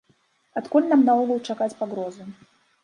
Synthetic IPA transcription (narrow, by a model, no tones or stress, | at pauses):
at̪kulʲnamnaɔɣulˠt͡ʂakat͡sʲpaɣɾɔzɨ